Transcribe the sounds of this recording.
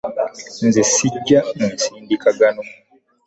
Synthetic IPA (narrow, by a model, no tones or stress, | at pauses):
nzisiɟːanensiːndikaɡano